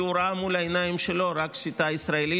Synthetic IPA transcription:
uɾaːmulɐjnaimʃiloɾɐksit̪aisɾaili

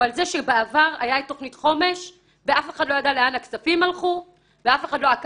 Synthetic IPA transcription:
alzeʃebeavaʁa̰jaitoχnitχo̞me̞ʃ | veʔafeχadlo̞jadaleanakt͡safimhalχu | veafeχadloak

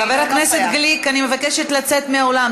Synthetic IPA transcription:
aveʁhakne̞set̪ɡlikanime̞vakeʃet̪lat͡set̪meaolam

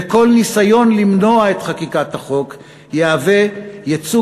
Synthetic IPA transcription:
eko̞lnisajo̞nlimno̞ae̞t̪χakikathaχo̞k | jeavejet͡su

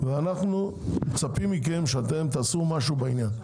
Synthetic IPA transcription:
veanaχnu | met͡sapimik̬e̞mʃeat̪̬e̞mt̪aːsumaʃubainjan

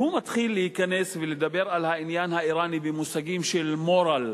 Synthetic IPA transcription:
humat̪χilːehikane̞sveled̪abe̞ʁalhainjanhaiɾanibemusaɡimʃelmoɾal

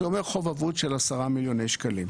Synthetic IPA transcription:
omeʁχo̞vavudʃelasaʁamiljo̞nejʃkalim

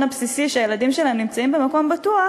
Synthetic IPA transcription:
napsisiʃeajeladimʃelaemnimt͡saimbe̞mako̞mbatua

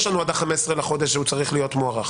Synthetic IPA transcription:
ʃlanuad̪aχamesʁelaχo̞d̪e̞ʃ̬ut͡saʁiχlijo̞t̪moaʁaχ

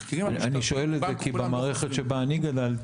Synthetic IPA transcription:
aniʃo̞e̞lezekibemaːʁe̞χetʃebaːniɡad̪al

